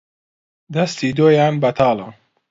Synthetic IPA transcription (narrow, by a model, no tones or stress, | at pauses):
d̪ast̪ʰid̪oːjaːnbɐt̪ʰɑːlan